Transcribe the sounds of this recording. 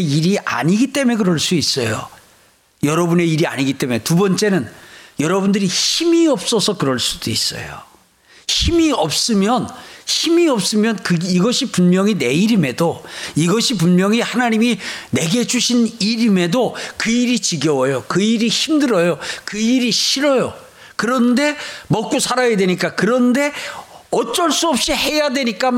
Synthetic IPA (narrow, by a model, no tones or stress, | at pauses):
iɾiʔa̰ɲiɡit͈e̞me̞kɯɾʌɭs͈uis͈ʌjo̰ | jʌɾʌbune̞iɾia̰ɲiɡit͈e̞me̞tubʌnt͡ɕ͈e̞nɯnjʌɾʌbundɯɾiçimiʌp̚s͈ʌsʰʌkɯɾʌɭs͈udois͈ʌ̰jo̰ | çimiʌp̚s͈ɯmjʌnçimiʌp̚s͈ɯmjʌnkɯiɡʌɕʰipunmjʌŋine̞iɾime̞doiɡʌɕʰip̬unmjʌŋihanaɲimine̞ɡe̞d͡ʑuɕʰiniɾime̞dokɯiɾit͡ɕiɡjʌwʌjokɯiɾiçimdɯɾʌjokɯiɾiɕʰiɾʌjo | kɯɾʌnde̞mʌk͈usʰaɾajadwe̞ɲik͈akɯɾʌnde̞ | ʌt͡ɕ͈ʌɭs͈uʌp̚ɕ͈ihe̞jadwe̞ɲik͈a